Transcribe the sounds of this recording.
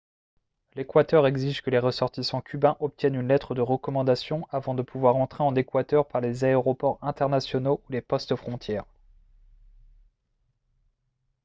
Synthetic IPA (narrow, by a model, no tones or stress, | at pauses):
lekwat̪œʁɛɡziʒkəleʁəsɔʁt̪isɑ̃kʲybɛ̃ʔɔp̚t̪jɛnynlɛt̪χəd̪əʁəkɔmɑ̃d̪asjɔ̃avɑ̃d̪əpʰuvwaʁɑ̃t̪χeɑ̃nekwat̪œʁpaʁlezaeʁɔpɔʁɛ̃t̪ɛʁnasjɔnoulepɔst̪əfχɔ̃t̪jɛːʁ